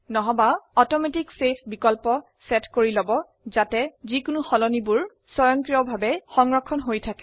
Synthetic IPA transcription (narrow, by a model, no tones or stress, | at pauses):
nɔɦɔbaɔtɔmetiksepʰbikɔlpɔ | sɛtkoɹilɔbɔ | zatɛzikʊnuxɔlɔnibuɹ | sɔjɔŋkɹiɔbʱabɛxɔŋɹɔkʰːɔnɦojtʰakɛ̥